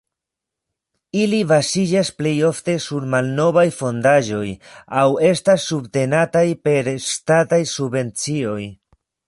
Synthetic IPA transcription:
ilivasid͡ʒasple̞jo̞fte̞suɾmalno̞vajfo̞ndaʒo̞jawe̞stasːubte̞natajpe̞ɾstatajsubve̞nt͡sio̞j

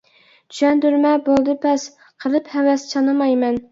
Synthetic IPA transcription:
t̪ʰy̥ʃɛnd̪yɾmɛbolˠd̪ɨpʰɛs | qʰəlˠɨphɛwɛst͡ʃʰɑnɨmɑjmɛn

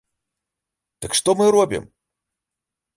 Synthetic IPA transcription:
d̪̥ɨkʂt̪ɔmɨɾɔbʲḭm

